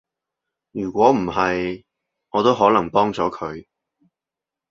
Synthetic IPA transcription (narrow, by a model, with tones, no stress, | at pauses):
jyː˨˩kʷɔː˨˥m̩˨˩hɐ˨j | ŋɔː˨˧t̪o˥wɦɔː˨˥lɐ˨˩ŋpɔː˥ŋt͡sɔː˨˥kʰɵ˨˧ɥ